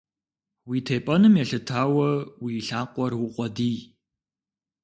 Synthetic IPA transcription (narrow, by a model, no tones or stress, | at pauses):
wiːtʰeːpʼɐnɨmjɛɬɨtʰaːwɐwiːɬaːqʷʼɔrwʊqʷʼɔdiː